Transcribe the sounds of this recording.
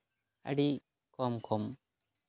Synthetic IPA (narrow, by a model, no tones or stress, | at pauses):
a̰ɖi | kɔmkʰɔm